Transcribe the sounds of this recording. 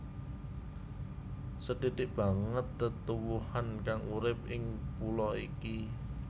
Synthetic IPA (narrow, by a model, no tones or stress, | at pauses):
səd̥i̤d̪̥ɪʔb̥a̤ŋət̪ːət̪uwuhankaŋuɾɪp̚ɪŋpulɔiki